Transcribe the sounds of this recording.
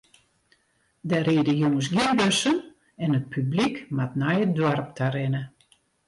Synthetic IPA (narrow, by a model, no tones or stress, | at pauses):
dɛɾeːdəjuŋəs̬ɡjɪnbøsən | ɛnət̚pʰyblikmatnajədwarp̚tʰarɪnə